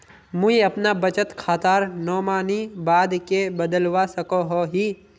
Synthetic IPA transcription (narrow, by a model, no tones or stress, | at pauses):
mũiɐpnabət͡ʃət̪kʰaːt̪aːɾnɔːmaːnibaːd̪kebəd̪əlwasəkoɦoɦiː